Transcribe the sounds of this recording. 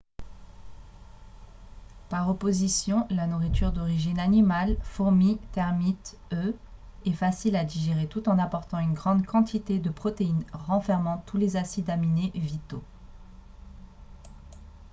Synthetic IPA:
paʁɔpozisjɔ̃lanuʁit̪yʁd̪ɔʁiʒinanimalfuʁmit̪ɛʁmit̪ | øɛfasilad̪iʒeʁet̪ut̪ɑ̃napɔʁt̪ɑ̃ynɡʁɑ̃d̪kɑ̃t̪ʰit̪ed̪əpχɔt̪einʁɑ̃fɛʁmɑ̃t̪ulezasid̪aminevit̪o

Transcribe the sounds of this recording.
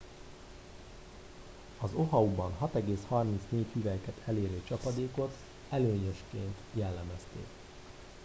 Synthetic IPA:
ɒzo̞ɦɒubɒnɦɒt̪ɛɡeːshɒrmint̪sneːchyvɛjkɛt̪ʰɛleːɾøːt͡ʃɒpɒd̪eːko̞t̪ | ɛløːɲøʃkeːnt̪jɛlːɛmɛst̪ḛːk

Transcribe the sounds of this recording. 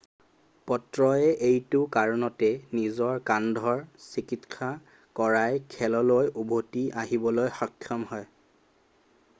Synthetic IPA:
pɔtɹɔɛʔejtʊkaɹɔnɔtɛnizɔɹkandʱɔɹsikitkʰa | kɔɹajkʰɛlɔlojʔubʱotiʔaɦibɔlojxɔkʰːjɔmɦɔj

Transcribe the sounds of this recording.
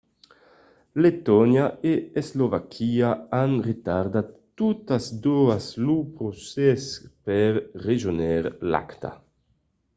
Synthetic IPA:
let̪ɔnjaʔeezlovakʰiaanret̪aɾd̪at̪ː | ut̪azd̪oaslupɾosɛspɛɾreʒonɛɾla̰kt̪a̰

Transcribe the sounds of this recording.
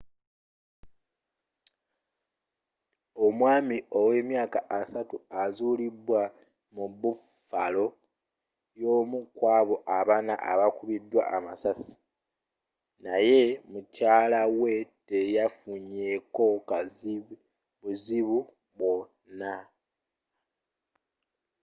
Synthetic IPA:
o̞mwaːmio̞we̞ːmjaːkaʔːsatuazuːlidwa | muβu | falo̞ | jo̞ːmukwaːβo̞ʔaβana̰ʔa̰βakuβidːwa̰ʔamasasi̥ | naje̞mucaːlawe̞tejafuɲe̞ko̞ka | βuziβu | βwo̞ | na

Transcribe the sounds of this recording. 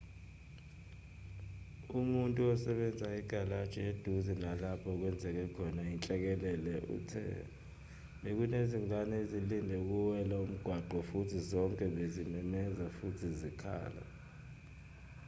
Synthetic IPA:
umuntʼuɔsɛɓɛnd͡zʱaiɡ̥ʱalad̥t͡ʃʼed̥ʱuzinalapʰɔk̬wɛnd͡zʱɛk̬ɛkʰɔnaint͡ɬʼɛk̬ɛlɛlɛʔṵtʰɛ̰ | ɓek̬uneziŋʱanɛezilindʱɛuk̬uwɛlaum̩ɡ̥ʱwaǃʱɔfutʰizɔŋkʼɛɓezimɛmɛzafutʰizikʰa̰ːla̰

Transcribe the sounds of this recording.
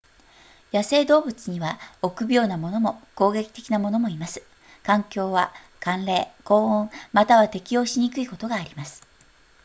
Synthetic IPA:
jase̞ːd̪o̞ːbɯ̟t͡sɨɲ̟iβao̞kɯ̟bʲjo̞ːnamo̞no̞mo̞ko̞ːɡe̞kʲi̥t̪e̞kʲinamo̞no̞mo̞imasɨ̥ | kãŋkʲo̞ːβa̰ | kãnɾe̞ːko̞ːõŋmat̪aβat̪e̞kʲijo̞ːɕiɲ̟ikɯ̟iko̞t̪o̞ɡaːɾʲimasɨ̥

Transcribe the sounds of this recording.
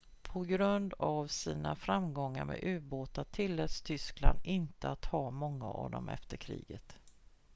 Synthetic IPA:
pʰɔɡɾɵnd̪avsiːnafɾamɡɔŋːaɾmɛ̰ʔʉ̟ːboːt̪at̪ʰɪlːɛt̪st̪ʰʏskland̪ɪnt̪əat̪hɑːmɔŋːa̰ʔɑvd̪ɔmɛ̰ft̪əɾkʰɾḭːɡət̪

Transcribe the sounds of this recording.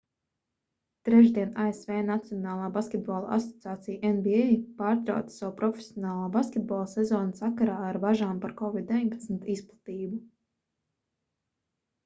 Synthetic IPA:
t̪ɾɛʒd̪iɛnaesveːnat̪sijɔnaːlˠaːbaskʲet̪̚bɔːlˠʔa̰sɔ̥t̪siaːt̪sijʔenbiejpaːɾt̪ɾa̰wt̪ssawpɾɔfʲe̥sʲjɔnaːlˠaːbaskʲet̪̚bɔlˠsɛzɔːnasakaɾaːaɾbaʒaːmpaɾkɔvid̪̚d̪evʲiɲʲpḁt̪smit̪isplˠḁt̪iːbu

